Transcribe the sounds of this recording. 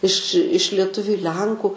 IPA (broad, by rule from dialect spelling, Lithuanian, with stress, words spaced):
ɪʃ ɪʃ lʲiɛˈtʊʋʲʊ ɪ ˈlʲɛŋkʊ